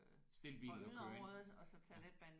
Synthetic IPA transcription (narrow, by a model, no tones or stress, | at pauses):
sd̥e̝lb̥ḭːln̩ɒ̥øʁɔðˠɒsɒ̽t͡sʰæled̥̚b̥æn